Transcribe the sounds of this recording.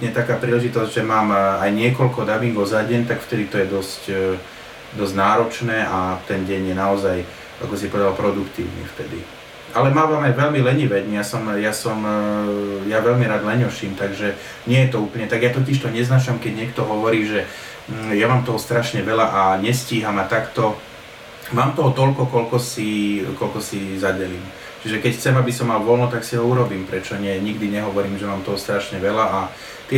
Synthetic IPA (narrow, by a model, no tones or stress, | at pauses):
ɲɛt̪akaːpɾiːlɛʒit̪ɔzɟʒɛmaːmajɲɪɛkɔlkɔd̪abiŋɡɔʊzaɟɛnt̪akft̪ɛd̪it̪ɔjɛd̪ɔsc | d̪ɔzɟnaːɾɔt͡ʃnɛːʔat̪ɛnɟɛɲjɛnaɔzaj | a̰kɔs̬ipɔʋɛd̪alpɾɔd̪ukt̪ḭːʊnḭft̪ɛd̪ḭ | ʔalɛmaːʋamajʋɛlmilɛɲiʋɛɟɲjasɔmjasɔm | jaʋɛlmiɾaːd̪lɛɲɔʃiːmt̪aɡʒɛ | ɲɪɛjɛt̪ɔuːpl̩ɲɛt̪aɡjat̪ɔciʃt̪ɔɲɛznat͡ʃamkɛɟɲɪɛkt̪ɔɦɔʋɔɾiːʒɛ | jamaːmt̪ɔɦɔst̪ɾaʃɲɛʋɛlaʔaɲɛsciːɦamat̪akt̪ɔ | maːmt̪ɔɦɔt̪ɔʎkɔkɔlkɔsikɔlkɔsizaɟɛliːm | t͡ʃiʒɛkɛcxt͡sɛmabisɔmalʋɔlnɔt̪aksiɦɔuɾɔbiːmpɾɛt͡ʃɔɲɪɛɲiɡd̪iɲɛɦɔʋɔɾiːmʒɛmaːmt̪ɔɦɔst̪ɾaʃɲɛʋɛlaʔa | t̪ɪɛ